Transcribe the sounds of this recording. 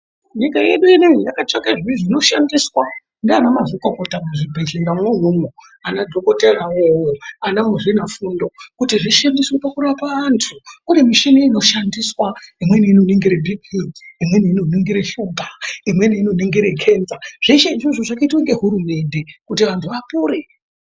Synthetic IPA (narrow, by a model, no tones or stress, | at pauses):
ɲikaje̞ɗueneŋijakat͡ʃakeʐiʐino̞ʃandiswa | ndeanamazikokotamuʐibʱeɮinɡamweɦumo | anadʱokoteraowoanamuʐinafundo̞kutiʐiʃandiswepakuɾapaʋantʰuune̞miʃiniino̞ʃandiswaimwe̞niinoniŋɡiɾebʱikʰiimwe̞niino̞niŋɡiɾeʃuːmbʱaimwe̞niino̞niŋɡiɾekʰe̞nzaʐ̥eʃeiʐoʐoʐakaitwaŋɡe̞ɦuɾume̞nde̞kutiʋantʰuʋapuːɾe